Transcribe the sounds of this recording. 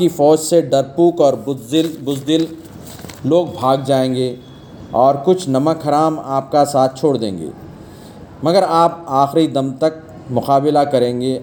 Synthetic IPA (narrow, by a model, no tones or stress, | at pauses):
kifɔːd͡ʒseɖɐɾpuːkɔːɾbʊzd̪ɪlː | oːɡ̚bʱaːɡd͡ʒaːẽːŋɡe | ɔːɾkʊt͡ʃʰnɐməkɦɐɾaːmaːp̚kasaːt̪̚ʰt͡ʃʰoːɽd̪ḛ̃ːŋɡḛː | mɐɡəɾaːpaːxɾid̪ɐmt̪ɐk̚ | mʊqaːbɪlakɐɾẽːŋɡeː